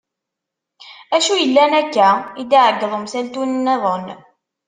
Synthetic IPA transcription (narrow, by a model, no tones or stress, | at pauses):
æʃujəlːænækːæid̪iʕəɡːəðˤəmsælt̪unnːæðˤən